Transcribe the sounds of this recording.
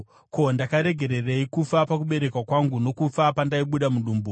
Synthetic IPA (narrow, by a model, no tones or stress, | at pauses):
ko̞ndakaɾe̞ɡʱe̞ɾe̞reikufapakuɓe̞ɾe̞kwakwaŋɡuno̞kufapandaiɓuɗamuɗuːmbu